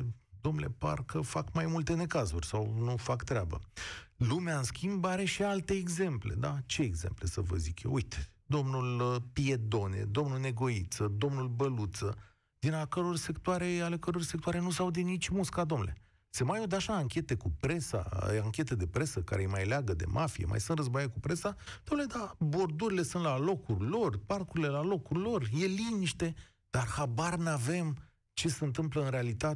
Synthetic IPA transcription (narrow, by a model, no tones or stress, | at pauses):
d̪omnele̞̰pa̰rkəfakmajmult̪e̞ne̞kazurʲsawnufakt̪ɾeabə̰lumeaɨnskʲimbaɾe̞ʃialt̪e̞ːɡze̞mple̞̰d̪at͡ʃe̞ːɡzemple̞səvə̰zikjḛwujt̪d̪o̞mnulpie̞d̪o̞ne̞̰d̪o̞mnulne̞ɡo̞it̪səd̪o̞mnulbəlut̪sə | d̪̥inakəɾo̞rse̞kt̪uaɾe̞ale̞kəɾo̞rsekt̪uaɾe̞nusawd̪enit͡ʃʲmuskad̪o̞mnele̞̰ | se̞majod̪eaʃaːŋkʲe̞t̪e̞kupɾe̞sa̰aŋkʲe̞t̪e̞d̪e̞pɾe̞səka̰ɾejmajleaɡəd̪ḛmʔafije̞̰mʔa̰jsɨnt̪rəzbajekupɾe̞sad̪o̞mnule̞d̪abo̞rd̪uɾile̞sɨnt̪lalo̞kurʲlo̞rparkuɾile̞lalo̞kurʲlo̞rjeliniʃt̪e̞ | d̪̥arhabarnave̞m | t͡ʃe̞seɨnt̪̬ɨmpləɨnɾealit̪at̪